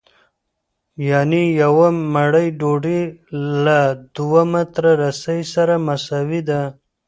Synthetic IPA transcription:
janijawamaɽəjɖoɖilad̪uwamat̪ɾaɾasajsaɾamasawid̪a

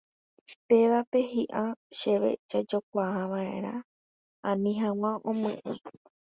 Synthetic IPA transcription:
pe̞ʋape̞ɦiʔaʃe̞ʋe̞̰d͡ʒad͡ʒok̚ʷaɦaʋae̞̰ɾa | ãnĩɦãw̃ãʔõmɨ̰̃ʔẽ

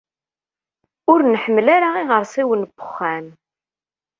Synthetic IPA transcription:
ʊɾnħəmːlaɾaiʁəɾsˤiwənbʊ̥χːæn

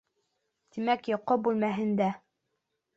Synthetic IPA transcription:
t̪imækjŏqːobulmæɦɘ̆nd̪æ

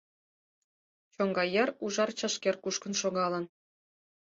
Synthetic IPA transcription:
t͡ɕoŋɡɑjɘruʐɑrt͡ɕɑʂkʲerkuʃkɤ̆nʃoɡɑlˠɤ̆n

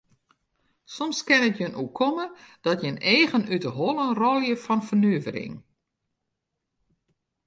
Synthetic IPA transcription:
sɔmskɪnətjənukʰɔməd̥ɔtjəneːɣənytəɦɔlˠənrɔlˠjəfɔnfərnyəvəɾɪ̰ŋ

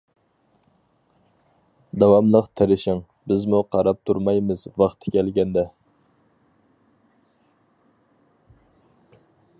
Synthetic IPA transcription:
d̪ɑwɑmlˠəqt̪ʰeɾɪʃɪŋ | bɪzmuqʰɑɾɑp̚t̪ʰuɾmɑjmɨzvɑχt̪ʰɪ̥kʲɛlɡʲɛnd̪ɛ

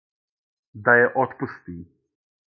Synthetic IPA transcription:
d̪ajɛʔɔt̪pust̪iː

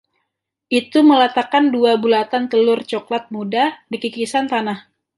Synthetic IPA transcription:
ʔit̪uməlat̪akanduabulat̪ant̪əlʊrt͡ʃɔklat̪̚mudadikikisant̪anah

